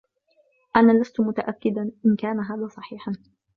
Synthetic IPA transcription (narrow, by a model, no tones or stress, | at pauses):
ʔanaːlast̪ʊmʊt̪aʔakːɪd̪aʔɪnkaːnaɦaːðaːsˤɑħiːħan